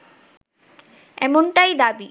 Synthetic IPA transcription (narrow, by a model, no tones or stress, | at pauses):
ɛmonʈajd̪abi